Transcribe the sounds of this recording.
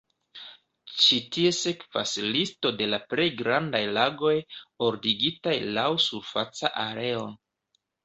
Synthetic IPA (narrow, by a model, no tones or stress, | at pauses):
t͡ʃitie̞se̞kva̰slisto̞de̞lapɾe̞jɡɾandajlaɡo̞jo̞ɾdiɡitajlawsuɾfat͡saʔaɾe̞o̞